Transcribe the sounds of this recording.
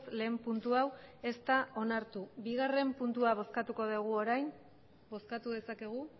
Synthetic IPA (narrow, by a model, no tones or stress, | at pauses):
sle̞ːmpunt̪uawe̞st̪ao̞naɾt̪uβiɣ̞are̞mpunt̪uaβ̞o̞skat̪uko̞ðeɣ̞uoɾajn | bo̞skat̪uð̞e̞sake̞ɣ̞u